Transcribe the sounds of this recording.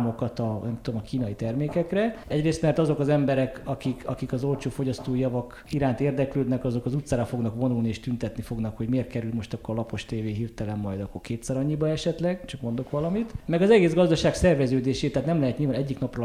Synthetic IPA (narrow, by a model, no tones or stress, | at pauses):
mo̞kɒt̪ɒnɛmt̪ud̪omɒkiːnɒit̪ɛrmeːkɛkrɛɛɟreːst̪mɛrt̪ɒzo̞kɒzɛmbɛɾɛkɒkikʰɒkikɒzo̞lt͡ʃoːfo̞ɟɒst̪oːijɒvɒk | iɾaːnt̪eːrd̪ɛkløːd̪nɛkɒzo̞kɒzut̪saːɾɒfo̞ɡnɒkvo̞nulnieːʃt̪ynt̪ɛt̪nifo̞ɡnɒkho̞ɟmeːrt̪kɛɾylmo̞ʃt̪ɒkːorlɒpo̞ʃt̪eːveːɦiːrt̪ɛlɛmːɒjd̪ɒkːorkeːt̪sɛɾɒɲːibɒɛʃɛt̪lɛɡt͡ʃɒkmo̞nd̪o̞kʋɒlɒmit̪mɛɡɒzɛɡeːzɡɒzd̪ɒʃaːɡsɛrvɛzøːd̪eːʃeːt̪ɛaːt̪nɛmlɛɦɛt̪ɲilvaːnɛɟːiknɒprɒ